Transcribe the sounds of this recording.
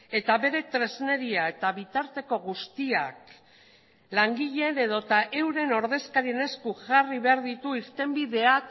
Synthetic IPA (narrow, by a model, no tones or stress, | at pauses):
e̞t̪aβe̞ɾe̞t̪ɾe̞zne̞ɾiae̞t̪aβit̪aɾt̪e̞ko̞ɣust̪iak | laŋɡiʎe̞ne̞ðo̞t̪aʔe̞wɾe̞no̞ɾðe̞skaɾie̞ne̞skuʝariβe̞aɾðit̪uiɾt̪e̞mbiðe̞ak